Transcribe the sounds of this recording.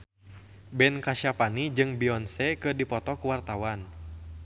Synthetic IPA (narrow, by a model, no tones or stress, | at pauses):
bɛnkaʃapanid͡ʒɨŋbiɔnsɛkɨrdipɔt̪ɔkuwart̪awan